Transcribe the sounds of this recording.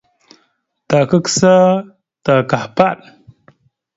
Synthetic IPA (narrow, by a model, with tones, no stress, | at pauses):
ta˨ka˦ksa˦ | ta˨ka˨ħpa˦ɗ